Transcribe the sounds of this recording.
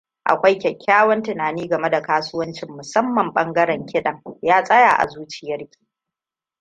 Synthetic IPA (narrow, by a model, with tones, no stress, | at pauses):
ʔa̰˨kʷa˦jkʲɛ˨kʲʰːaː˦wɐ˦ntɪ˨naː˨niː˦ɡɐ˨me˦da˨kaː˦sʊ˦wɐ˦nt͡ʃɪ˨mːʊ˨sɐ˦mːɐ˨mɓɐ˦ŋɡɐ˦ɾɛ˨ŋkʲɪ˦ɗɐ˨ŋjaː˦sʼɐ˦jaː˨ʔa̰˨zuː˦t͡ʃɪ˨jɐ˦rkʲi̥ː˨